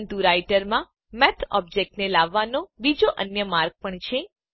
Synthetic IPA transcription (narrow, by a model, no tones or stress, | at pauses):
nt̪uɾajʈəɾmã | mɛt̪ʰɔ̰bd͡ʒek̚ʈnelaʋːanobid͡ʒoʔənjəmaɾɡ̚pəɳt͡ʃʰe